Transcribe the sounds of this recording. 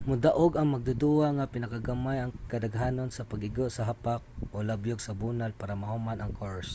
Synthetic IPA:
mʊd̪aʔoɡaŋmaɡ̚d̪ʊd̪uaŋapɪnakaɡamajaŋkad̪aɡɦaːnonsapaɡɪɡoʔsaɦapak̚olabjʊɡsabunalpaɾamahumanaŋkoɹs

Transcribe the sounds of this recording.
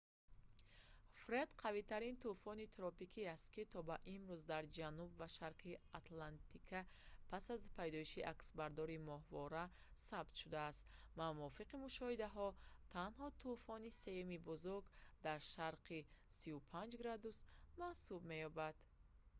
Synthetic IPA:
fɾed̪qʰavit̪ʰaɾint̪ufɔnit̪ʰɾɔpikʰiast̪̚kit̪ʰɔbaʔimɾuzd̪aɾd͡ʒanubvaʃaɾqʰiat̪lant̪ʰikʰapʰasazpʰajd̪ɔiʃiʔaksbaɾd̪ɔɾimɔɦvɔɾa | sabt̪ʃud̪aːst̪mamɔfiqimuʃɔhid̪aɦɔt̪ʰanɦɔt̪ʰufɔnise̞jumibuzuɾɡd̪aɾʃaɾqʰisiupʰand͡ʒɡɾad̪usmahsubme̞jɔbad̪̥

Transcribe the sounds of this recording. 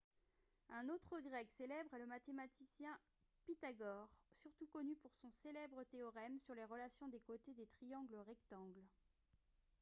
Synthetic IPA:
ɛ̃not̪χəɡʁɛkselɛbʁɛləmat̪emat̪isjɛ̃ | pit̪aɡɔʁsyʁt̪ukɔnypuʁsɔ̃selɛbʁət̪eɔʁɛmsyʁleʁəlasjɔ̃d̪ekot̪ed̪et̪χijɑ̃ɡləʁɛkt̪ɑ̃ɡl

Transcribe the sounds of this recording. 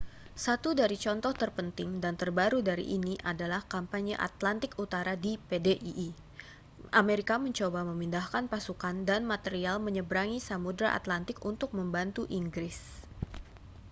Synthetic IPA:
sat̪udaɾit͡ʃɔnt̪ɔht̪ərpənt̪ɪŋdant̪ərbaɾudaɾḭʔiniʔadalahkampaɲa̰ʔa̰t̪lant̪ɪkut̪aɾadipedeʔiʔ | ʔameɾikaməɲt͡ʃobaməmindahkanpasukandanmat̪eɾialməɲəbɾaŋisamudɾa̰ʔa̰t̪lant̪ɪkunt̪ʊk̚məmbant̪uʔiŋɡɾɪs

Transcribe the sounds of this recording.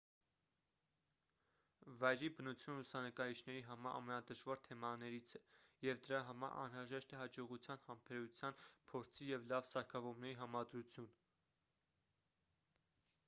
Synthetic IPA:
vɑjɾibənut͡sʰjunlusɑnəkɑjit͡ʃʰnɛɾiɦɑmɑɾʔɑ̰mɛnɑd̪əʒvɑɾt̪ʰɛmɑnɛɾit͡sʰɛjɛvd̪əɾɑɦɑmɑ̰ɾʔɑ̰nɾɑʒɛʃt̪ɛɦɑd͡ʒɔʁut͡sʰjɑnhɑmpʰɛɾut͡sʰjɑnpʰɔɾt͡sʰijɛvlɑvsɑɾkʰɑvɔmnɛɾiɦɑmɑd̪ɾut͡sʰjun

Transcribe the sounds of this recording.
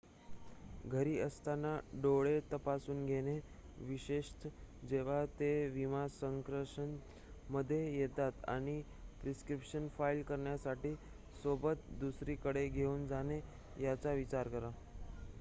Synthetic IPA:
ɡʱəɾiːəst̪anːaɖoɭet̪əpasuːnɡʱeɽ̃eʋiɕeʂt̪ʰd͡ʑeʋ̤at̪eʋimasəŋkɾəʂən | məd̪ʱːjejet̪at̪a̰ɽ̃i | pɾiskɾipʂənfailkəɾɳjasaʈiː | sobət̪d̪usɾiːkəɽeɡʱeuːnd͡zane | jat͡saʋit͡ɕaɾkəɾa

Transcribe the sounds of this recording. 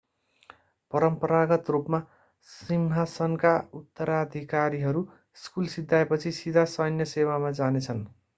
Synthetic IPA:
pʌɾʌmpʌɾaɡʌt̪rupma | simɦasʌnkaut̪ːʌɾad̪ʱikaɾiɦʌɾu | skulsid̪ʱːaepʌt͡sʰisid̪ʱasʌjʌnjʌsewamad͡zanet͡sʰʌn

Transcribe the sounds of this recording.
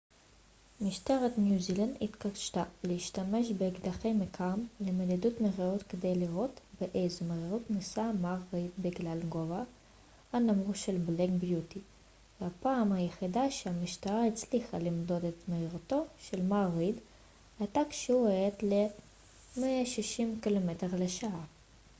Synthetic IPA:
miʃt̪eʁet̪njuziland̪it̪kaʃt̪aleiʃtameʃbeɡd̪aχejmekamlemelid̪ut̪meʁeʁut̪ked̪e̞jliʁo̞tbeʔejzemeʁiʁut̪nisamaʁid̪biɡlalɡova | hanamʁuʃelbleɡbjut̪i | vehapaːmhajeχidaʃehamiʃt̪aʁait͡sliχalimd̪o̞d̪et̪meiʁt̪o̞ʃelmaʁid̪ | ajt̪akʃeueet̪le | meaʃiʃimkilometeʁleʃaaʁ

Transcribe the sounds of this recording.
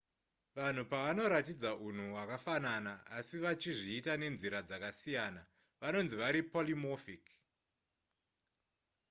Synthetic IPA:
ʋan̤upaʋano̞ɾatid͡zaʔun̤uwakafananaasiʋat͡ʃiʐiːtane̞nziɾad͡zakasijaːna | ʋano̞nziʋaɾipolimofik

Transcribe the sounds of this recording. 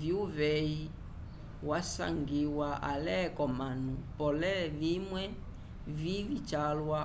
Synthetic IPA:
vjuvɛi | wasa̰ŋɡiwaʔa̰lɛkɔmanupɔlɛvimwɛ | vivit͡ʃalwa

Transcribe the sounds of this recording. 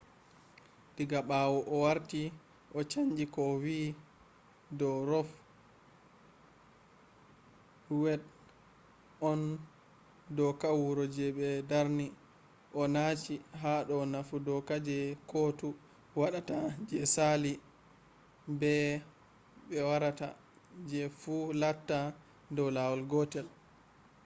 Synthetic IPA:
diɡaɓawɔʔɔwaɾti | ʔɔt͡ʃaɲd͡ʒikɔwi | dɔɾɔf | wɛɗ | ɔn | dɔkawuɾɔd͡ʒɛɓɛdaɾni | ʔɔnat͡ʃiɦaɗɔnafudɔkad͡ʒɛkɔtu | waɗatad͡ʒɛsali | bɛ | ɓɛwaɾata̰ | d͡ʒɛfulatːa | dɔwlawɔlɡɔtɛl

